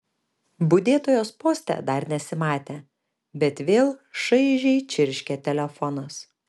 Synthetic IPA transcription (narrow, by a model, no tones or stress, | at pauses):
bʊd̪ʲeːt̪oːjoːspoːsʲt̪ʲɛ̰d̪ɐɾnʲɛsʲɪmɑːt̪ʲeː | bʲɛt̪ʋʲeːlˠʃɐɪʒʲɛɪt͡ʃʲɪɾʲʃʲkʲɛt̪ʲɛlʲɛfɔnɐs